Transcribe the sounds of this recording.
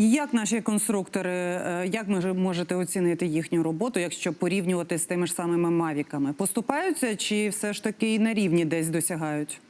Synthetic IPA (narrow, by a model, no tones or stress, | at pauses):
jɐknɑʃikɔnst̪ɾukt̪ɔɾɪjɐkʋɪmɔʒet̪ɛɔt͡sʲinɪt̪ɪjixnʲʊɾɔbɔt̪ʊjɐkʃt͡ʃɔpɔɾʲiwnʲʊʋɐt̪ɪsʲt̪ɪmɪʂsɑmɪmɪmɑʋʲikɐmɪpɔst̪ʊpɑjʊt͡sʲːɐt͡ʃɪwsɛʃt̪ɐkɪinɐɾʲiwnʲid̪ɛsʲd̪ɔsʲɐɦɑjʊtʲ